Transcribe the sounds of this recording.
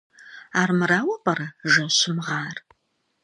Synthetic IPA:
aːrmɨɾaːwɐpɐɾɐʒɐɕɪmʁɑːr

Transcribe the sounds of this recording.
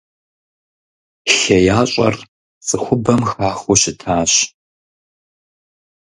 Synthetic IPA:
ɬɐjaːɕʼɐ̰r | t͡sʼɨxʷʊbɐmxaːχuɕɪtʰaːɕ

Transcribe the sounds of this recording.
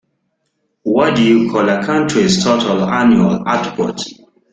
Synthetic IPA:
wɔdujukʰɔlakʰãntʰɹiztʰotʰalanjualatpɔt

